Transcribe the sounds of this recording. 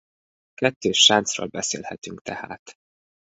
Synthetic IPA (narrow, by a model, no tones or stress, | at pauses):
kɛt̪ːøːʃant̪sro̰ːlbɛsḛːlhɛt̪yŋkt̪ɛha̰ːt̪